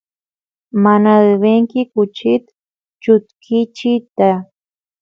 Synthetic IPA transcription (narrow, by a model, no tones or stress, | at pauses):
manaɾɪβeŋkɪkʊt͡ʃɪt̪ | t͡ʃʊt̪kʰɪt͡ʃɪt̪a